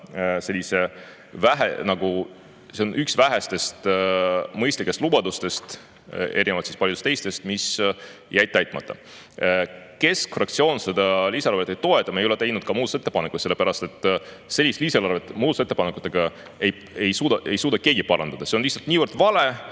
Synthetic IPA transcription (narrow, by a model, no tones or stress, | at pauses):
se̞lʲːise̞ | væɦenɑɡu | senʔyksvæɦest̪e̞st̪ | mɤjst̪likːˑest̪lubɑd̪ust̪e̞st̪ | e̞ɾʲinevɑlt̪si̥spɑljud̪est̪ejst̪e̞st̪misjæjt̪̚ːæjt̪ˑmɑ̰t̪ːɑ̰ | ke̞skfrɑkt̪sio̞ːnse̞d̪̥ɑliːseɑɾvet̪ːˑejt̪o̞e̞t̪ːˑɑmejolet̪ejnud̪̥̚kɑmuːd̪set̪ːe̞pɑnekuselːepæɾɑst̪e̞t̪ːˑ | se̞lʲːist̪liːselɑɾrvet̪ːˑmuːd̪set̪ːepɑnekːˑu̥t̪ːˑeɡ̥ɑ | ej | ejsuːd̪ɑʔe̞jsuːd̪ɑke̞ːɡipɑɾɑnd̪̥ɑd̪ɑseonliht̪sɑlt̪niːvərd̪̥vɑle̞